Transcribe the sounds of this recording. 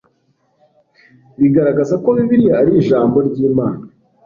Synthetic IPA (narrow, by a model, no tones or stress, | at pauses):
βiɡaɾaɡazako̞βiβiɾiaɾiːʒaːmbo̞ɾɟiːmaːna